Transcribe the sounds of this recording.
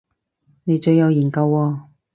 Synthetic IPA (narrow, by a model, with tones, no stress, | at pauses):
ne˨˧jt͡ʃɵ˧ɥjɐ˨˧wjiː˨˩nkɐ˧wɔː˧